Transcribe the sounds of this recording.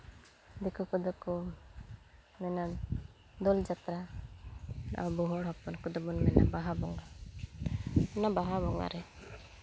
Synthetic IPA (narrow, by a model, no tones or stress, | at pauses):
d̪ɛkɔkɔd̪ɔkɔ | mɛna | d̪ɔld͡ʒat̪ɾa | na̰ʔabɔɦɔɽɦɔpɔnkud̪ɔbɔnmɛna̰baɦabɔŋa | ɔnabaɦabɔŋa̰ɾɛ